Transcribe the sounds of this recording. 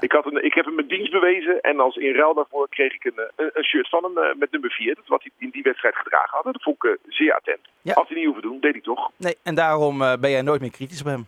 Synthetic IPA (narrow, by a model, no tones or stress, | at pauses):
ʔɪkɦɑtənɪkɦɛpəməndinst̚bəʋejzəʔɛ̰nɑlˠsɪnrɛlˠdaːɹvʊːɹkrejχɪkənənənʃøːɹtfɑnən̰mɛt̚nɵməɹviːɹdtʋɑ̰tiɪndiʋɛtstrɛjtχədra̰ːχənɦɑdədɔfɔŋɪkəzɪːɹa̰ːtɛ̰ntaɑlˠsinithuvədundejtitɔχnejɛndaːrɔmbɛnjɛjnoːjtmɪːɹkritisɔpɦɛm